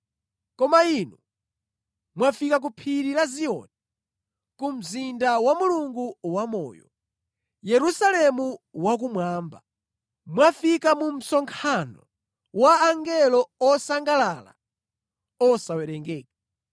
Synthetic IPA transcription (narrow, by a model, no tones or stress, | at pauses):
kɔmainu | mwafikak̬upʰiɾilaziɔ̰ni | kum̩zindawamuluŋɡuwamɔ̰ːjɔ̰ | jɛɾusalɛmuwak̬umwaːmba | mwafikamum̩sɔŋkʰanɔ | waːŋɡɛlɔɔsaŋɡalala̰ | ɔsawɛɾɛŋɡɛːk̚a